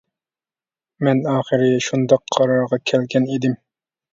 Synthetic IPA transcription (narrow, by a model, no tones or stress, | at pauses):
mɛnɑːχɨɾɪʃund̪ɑqʰːɑɾɑɾʁɑkʲʰɛlkʲʰɛnid̪ɪm